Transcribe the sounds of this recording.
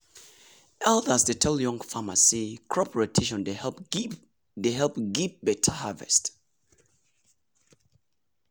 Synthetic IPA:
ʔɛlˠdasdetʰɛljɔ̃ŋfamasikʰɹɔpʰɹɛtʰeʃɔ̃ndehɛlp | deɦɛlˠp̚ɡip̚bɛtʰahavɛ̰st

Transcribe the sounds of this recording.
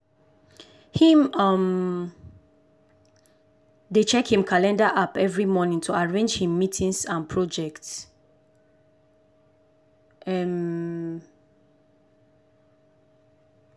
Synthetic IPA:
hĩmʌm | det͡ʃɛkhĩmkʰalɛ̃ndaʔapɛvɹimɔnĩŋtʰuaɹẽnd͡ʒhĩmːitʰĩŋsãnpʰɹɔd͡ʒɛkts | ɛm

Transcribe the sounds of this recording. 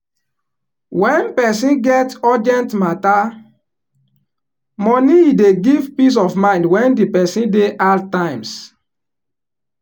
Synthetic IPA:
wɛ̃npɛsĩnɡɛtɔd͡ʒɛ̃ntmata | mɔniideɡivpis̬ɔfmãɪ̃ndwɛ̃ndipɛsĩndeʔaltãɪ̃ms

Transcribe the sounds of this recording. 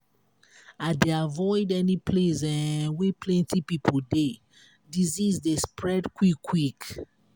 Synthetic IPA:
adeavɔɪdɛnipʰlesɛ̃wepʰlɛ̃ntipipʰolde | dizizdespʰɹɛdkwikʰwik

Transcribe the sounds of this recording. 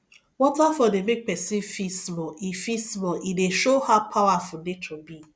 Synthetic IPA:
wɔtafɔdemek̚pɛsĩnfismɔifismɔʔideʃohapʰawafʊnet͡ʃɔbi

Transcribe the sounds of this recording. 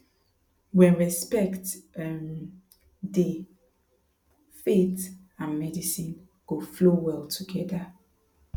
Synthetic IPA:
wɛ̃nɹɛspɛktm | de | fet | ãnmɛdisĩn | ɡ̥oflowɛlˠtʰuɡɛda

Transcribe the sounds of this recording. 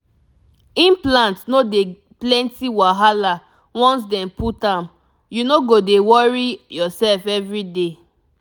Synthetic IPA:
ĩnplãntnode | plɛ̃ntiwaɦala | wɔ̃ns̬dɛ̃mputãm | junoɡodewɔɹijɔsɛlfɛvɹide

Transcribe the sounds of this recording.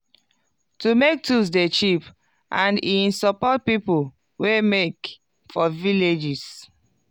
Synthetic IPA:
tumek̚tus̬det͡ʃip | ʔãnĩnsɔpɔt̚pipu | wemek | fɔviled͡ʒis

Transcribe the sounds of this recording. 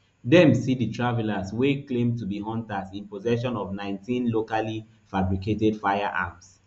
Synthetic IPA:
dɛ̃msiditʰɹavɛlasweklẽmtubiɦɔ̃ntasĩnpɔzɛʃɔ̃nɔvnãɪ̃ntʰĩnlokali | fabɹiketɛdfaɪaʔa̰ms

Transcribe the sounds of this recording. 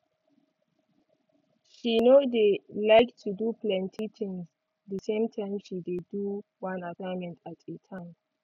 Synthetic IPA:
ʃinodelaɪktʰudupʰlɛ̃ntʰit͡ʃĩŋz | dəsẽmtʰãɪ̃mʃideduwãnasãɪnmɛ̃ntʰatʰetʰãm

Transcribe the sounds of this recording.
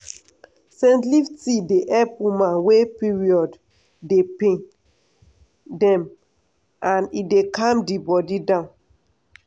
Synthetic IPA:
sɛ̃ntliftideʔɛpwimãnwepiɹiɔd | depẽ | dɛ̃m | ãnidekãmdibɔdidãn

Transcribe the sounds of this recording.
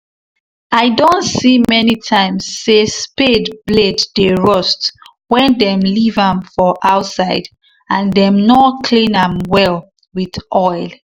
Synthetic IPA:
aɪdõntsimɛnitʰãɪ̃msːespedbledːəɹɔst | wɛ̃ndɛ̃mlivãmfɔʔaʊtsaɪd | ãndɛ̃mnɔkʰlĩnãmwɛl | wiðʔɔɪlˠ

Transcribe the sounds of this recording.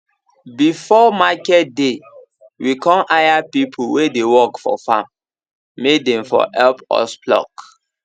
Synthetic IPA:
bifɔmakɛt̚de | wikɔ̃mʔajapipʰuwedewɔkfɔ̰fãmː | ek̚dɛ̃mfɔ̰hɛlpɔ̰splɔ̰k

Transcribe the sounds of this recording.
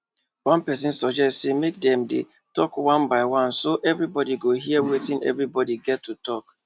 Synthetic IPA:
wãnpɛs̬ĩnsɔd͡ʒɛstsemek̚dɛ̃mdḛ | tɔkwãnbaɪwãnsoʔɛvɹibɔdiɡoɦiəwetĩnɛ̰vɹibɔdiɡɛtʰːutɔk

